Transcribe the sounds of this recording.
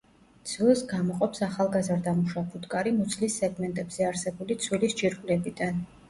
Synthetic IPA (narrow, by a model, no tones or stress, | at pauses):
t̪sʰwilˠsɡamɔqʼɔpsaχalˠɡazaɾd̪amuʃapʰut̪ʼkʼaɾimɔt̪sʰlisːɛɡmɛnt̪ʼɛbz̥ɛaɾsɛbulit̪sʰwilisd͡ʒiɾkʼwlɛbid̪an